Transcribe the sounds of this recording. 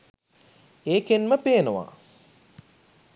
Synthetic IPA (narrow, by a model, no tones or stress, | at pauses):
eːkenməpeːnuʋa̰ː